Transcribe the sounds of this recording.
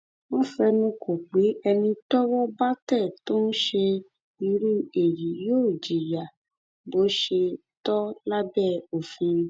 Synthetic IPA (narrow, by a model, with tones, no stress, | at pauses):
wɔ̃˦fɛ˧nũ˧kʰo˨k͡pe˨˦ʔɛ˧nĩ˧tɔ˦wɔ˦ba˦tɛ˦˨to˦n̩˦ʃe˧ | i˧ɾi˦e˨ji˨˦joː˦˨d͡ʒi˨ja˨ | bo˨˦ʃe˧ | tɔ˦la˦bɛ˦˨o˨fĩ˧